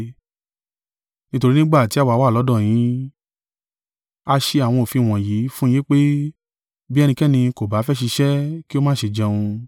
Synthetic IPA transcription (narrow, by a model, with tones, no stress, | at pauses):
nĩ˦to˧ɾi˦nĩ˦ɡ͡ba˦˨ti˨˦a˦˨wa˧˦wa˦˨lɔ˨˦dɔ̃˦˨j̃ĩ˨˦ | a˧ʃe˧a˨w̃ɔ̃˧o˨fi˧˨w̃ɔ̃˨ji˨˦fũ˦e˦k͡pe˦ | bi˦ɛ˧nĩ˧kɛ˦˨nĩ˧ko˨ba˨˦fɛ˦ʃi˧ʃɛ˦ki˦o˦mã˦˨ʃe˧˨d͡ʒɛ̃˧ũ˧